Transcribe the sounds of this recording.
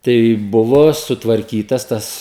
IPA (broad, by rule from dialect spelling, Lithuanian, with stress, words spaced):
tɐɪ ˈbʊʋoː sʊtʋɐrʲˈkʲiːtɐs ˈtɐs